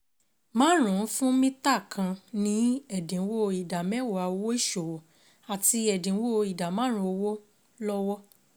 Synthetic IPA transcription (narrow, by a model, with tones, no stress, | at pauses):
mãː˦ɾ̃ũ˨˦fũ˦mĩ˦ta˦˨kʰã˧nĩ˨˦ɛ˦˨dĩ˨˦wo˦˧i˨da˨mɛ˦wo˨a˨˧wo˦i˦˨ʃo˨wɔ˨ | a˨ti˧ɛ˨dĩ˨˦wo˦˧i˨da˨mãː˨˦ɾ̃ũ˧˦o˧wo˦ | lɔ˦wɔ˦